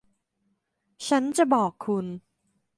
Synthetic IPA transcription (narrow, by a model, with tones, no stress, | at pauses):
t͡ɕʰa˦˥nt͡ɕa˨˩bɔː˨˩kʰːu˧n